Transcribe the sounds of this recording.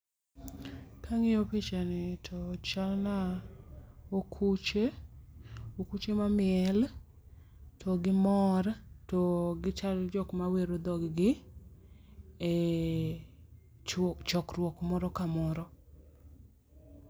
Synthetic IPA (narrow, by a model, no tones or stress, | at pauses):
kʰaŋɪopet͡ʃanɪtʰɔt͡ʃalna | okʰut͡ʃe | okut͡ʃemamɪɛl | tʰɔɡɪmɔɾtɔɡɪt͡ʃald͡ʒɔkmaweɾod̪ɔɡɡɪ | t͡ʃɔkɾwɔkmɔɾɔkamɔɾɔ